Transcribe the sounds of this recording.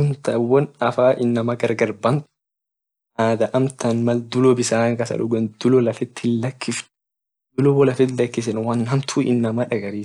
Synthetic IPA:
ʊnt̪ɐʔwɐnɐfaːʔɪnːɐmɐɡɐɾɡɐɾbɐnt̪ | naːd̪ɐʔɐmt̪ɐnmɐld̪ʊlɔbɪsaːŋkɐsɐ̰ᶑʊɡɛnd̪̥ʊlɔlɐfɪt̪ːɪlːɐkʰːɪf | d̪ʊlɔbɔlɐfɪt̪lɐkːɪsɛnwɐnhɐmt̪ʰuːɪ̰nːɐmɐᶑɐɡɐɾiːs

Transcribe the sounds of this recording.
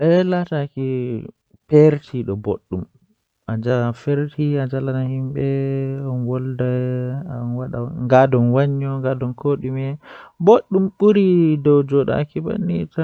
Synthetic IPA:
ʔɛlataki | peɾtʰiɗɔboɗːum | ʔad͡ʒafeɾtʰiad͡ʒalanahimɓɛɔnwɔldajanwaɗaŋɡadɔnwaɲːɔŋɡadɔnkʰoːɗimɛboɗːumɓuɾidɔwd͡ʒɔɗa̰kiba̰nːita

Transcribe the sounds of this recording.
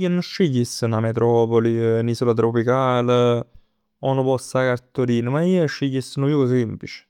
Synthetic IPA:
iənoʃːeʎːisːənamet̪ɾɔːpolinisolat̪ɾopikaːl | onopɔsakaɾt̪oɾiːnəmaiːʃːeʎːisːənojukos̬emplit͡ʃe̥

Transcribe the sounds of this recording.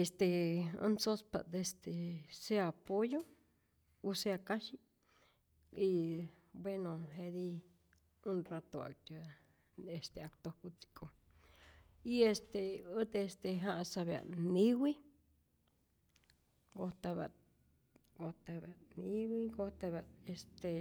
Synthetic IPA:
est̪eṵ̃sospa̰d̪est̪eseapojo | useakãʃi | i | bwenõɦeði | ũrat̪oa̰k̚t̪a | est̪eak̚t̪okut͡si̥kʰo | iest̪eot̪est̪eɦãʔsaβea̰nĩwʷi | ɡot̪aβa̰ | ɡot̪aβanĩwiɡot̪aβaest̪e

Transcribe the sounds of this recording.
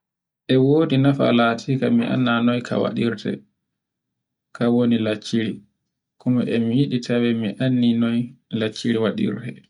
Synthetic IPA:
ʔɛwoːdinafa̰latʰikamiʔa̰nːanɔjkʰa̰wa̰ɗiɾtɛ̰ | kʰawonilat͡ʃːiɾi | kɔmaʔɛmijiɗitʰawɛmiʔanːinɔjlat͡ʃːiɾiwaɗḭɾtɛ

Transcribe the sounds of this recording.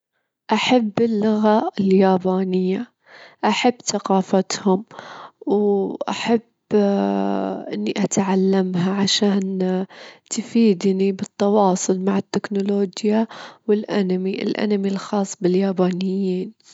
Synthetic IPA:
ʔaħabːɪlːʊɣaɪljaːbaːnɪjːa | ʔaħabːθaqɑːfat̪hʊmwʔa̰ħab | ʔɪ̰nːiʔat̪ʕalːamɦaʕaʃaːn | t̪fiːd̪nibɨt̪ˤːɑwɑːsˤʊlmaʕɪt̪ːɪknʊloːd͡ʒjawɪlʔa̰namiʔɪ̰lʔa̰namilxɑːsˤːbɪljaːbaːnɪjːiːn

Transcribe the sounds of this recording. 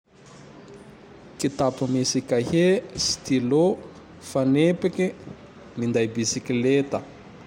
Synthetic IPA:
kit̪apumisikʲahesi̥t̪ilo | fanepikʲi | mind̪ajbisikilet̪ə

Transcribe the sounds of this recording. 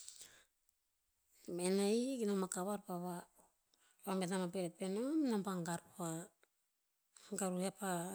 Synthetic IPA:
menaiɡinomakaβaɾpaβa | pametamapeɾet̚penomnampaŋɡaɾpa | ŋɡaɾuhepa

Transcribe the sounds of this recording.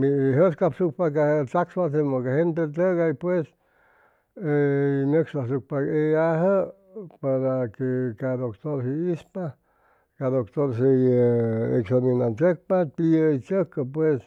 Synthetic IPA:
miɦəskapsuk̚pakat̪akswas̬emokahent̪̬et̪əɡaipwes | enəkslas̬uk̚paeaɦə | paɾakekad̪okt̪oɾsiispa | kad̪okt̪oɾsejḛksaminant͡ʃək̚papiəit͡ʃəkːəpwes

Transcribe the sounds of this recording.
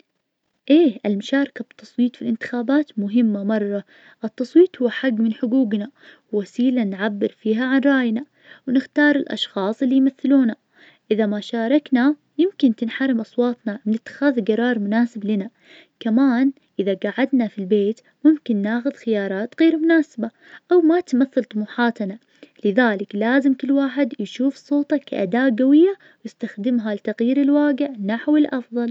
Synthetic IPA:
ʔeːʔɪlmʊʃaːɾˤkabɪt̪ːɑsˤwiːt̪ˤfilʔɪnt̪ɪ̥xaːbaːt̪mʊɦɪmːamɑrˤːɑ | ʔɪt̪ːɑsˤwiːt̪ˤhʊwːħaɡːmɪnħʊɡuːɡnawːasiːlanʕabːɪɾfiːɦaʕanɾˤɑːjna | wnɪxt̪ɑːɾˤɪlʔɑ̰ʃxɑːsˤʔɪlːijmaθːɪluːna | ʔɪðamaʃɑːɾˤɑkna | jɪmkɪnt̪ɪnħaɾˤɪmʔɑsˤwɑːt̪nawɪnɪt̪ːɪ̥xaːðɡɑɾˤɑːɾˤmʊnaːsɪblɪna | kamaːn | ʔɪðaɡaʕad̪nafilbeːt̪ | mʊmkɪnːaːxʊðxɪjɑːɾˤɑːt̪ɣeːɾmʊnaːsɪba | ʔawmat̪maθːalt̪ˤʊmuːħaːt̪na | lɪðaːlɪklaːzɪmkɪlːwaːħɪd̪jʃuːfsˤːoːt̪ˤɑka̰ʔa̰d̪aːʔɡawɪjːa | wjɪst̪axd̪ɪmɦalɪt̪aɣjiːɾɪlwaːɡɪʕnaħwɪlʔɑfðˤɑl

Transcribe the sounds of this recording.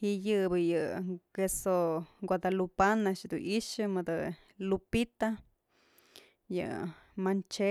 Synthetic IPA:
hiʔjɨbɨjɨkesoɡʷwʷad̪alupanaʔʂd̪uniʂɨmɨd̪ɨ | lupit̪a | jɨ̰mant͡ʃe

